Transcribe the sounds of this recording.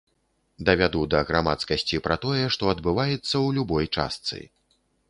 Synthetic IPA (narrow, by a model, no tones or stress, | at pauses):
d̪ɐvʲad̪ud̪ɐɣɾama̰t̪skɐsʲt͡sʲipɾɐt̪ɔjɛʂt̪ɔɐd̪bɨvajɛt̪sːɐwlʲubɔjt͡ʂa̰st̪sɨ̰